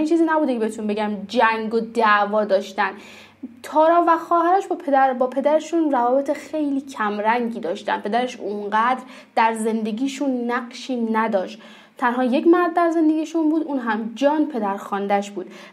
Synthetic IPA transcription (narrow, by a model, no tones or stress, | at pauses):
int͡ʃʰiːziːnæbuːd̪ekʰeeet̪ʰunbe̞ɟæmd͡ʒæŋɡod̪æʔvɒːd̪ɒːʃt̪ænd̪ | t̪ʰɒːɾɒːvæxɒːɦæɾæʃbɒpʰed̪æɾbɒːpʰe̞d̪æɾeʃunrævɒːbe̞t̪ʰexe̞jliːcʰæmɾæŋɡiːd̪ɒːʃt̪æ̰npʰe̞d̪æɾe̞ʃuŋɢæd̪ɾ | d̪æɾze̞nd̪e̞ɡiːʃunːæɡʃiːnæd̪ɒːʃt̪ | t̪ʰænɦɒːje̞cmæɾd̪̚ːæɾze̞nd̪e̞ɡiːʃunbuːd̪uːnɦæmd͡ʒɒːnpʰe̞d̪æɾxɒːnd̪æʃbuːd̪̥